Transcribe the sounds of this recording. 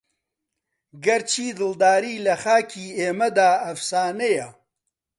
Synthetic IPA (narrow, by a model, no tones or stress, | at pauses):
ɡɐɾt͡ʃʰiːd̪ɨld̪aːɾiːlɐxaːkʰiːeːmɐd̪aːɐfsaːnejɐ